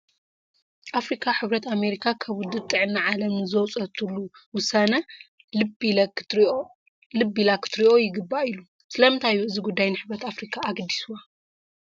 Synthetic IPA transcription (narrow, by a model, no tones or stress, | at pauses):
ʔafɾikʰaħɨβɾɐt̪ame̞ɾikʰakʰɐβʊd̪ɨt̪ʼːɨʕɨnːaʕalɐmnɨzɐwt͡sʼɐt̪ʰulːuwʊsanɐ | bɐ | lɨbilakʰɨ̥t̪ɾiʔo̞jɪɡɨbːailu | sɨlɐmɨnt̪ʰajːuɨziɡud̪ːajnɨħɨβɾɐt̪afɾikʰaːɡd̪isuwa